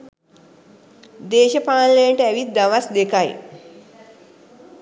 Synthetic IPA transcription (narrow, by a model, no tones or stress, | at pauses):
d̪eːʃəpaːnləjəʈəæʋit̪̚d̪aʋasd̪ekaj